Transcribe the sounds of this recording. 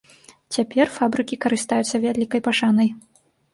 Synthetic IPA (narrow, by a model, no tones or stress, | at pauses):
t͡sʲapʲɛrfabɾɨkʲikɐɾɨst̪ajut̪sːɐvʲalʲikɐjpaʂanɐj